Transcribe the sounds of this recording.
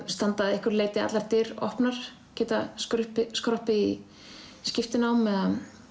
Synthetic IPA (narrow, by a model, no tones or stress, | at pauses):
st̪ant̪aðɪhkʏɾleːjt̪ɪa̰laɾt̪ɪɾɔ̰hpnaɾ̥ | cɛːt̪askɾʏhpɪskɾɔhpɪi | scɪft̪ɪnawmɛð